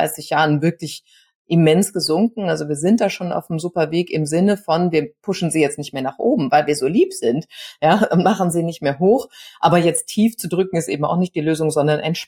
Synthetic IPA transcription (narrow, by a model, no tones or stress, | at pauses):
a̰ɪsɪçjaːʁənvɪɐklɪç | ʔɪmɛnsɡ̥əzʊŋkŋ̩alzoviːɐzɪnt̚d̥aːʃoːna̰ʊfnəmzupɐveːkɪmzɪnəfɔnviːɐpʰʊʃn̩ziːjɛt͡stnɪçtmeːɐnaːχʔoːbm̩vaɪlviːɐzoːliːpz̥ɪntjaːʊnmaχn̩ziːnɪçtmeːɐɦoːχʔaːbɐjɛt͡stʰːiːft͡sudʁʏkŋ̩ɪstʔḛːbm̩a̰ʊxnɪçtd̥iːløːzʊŋzɔndɐnʔaɪnʃ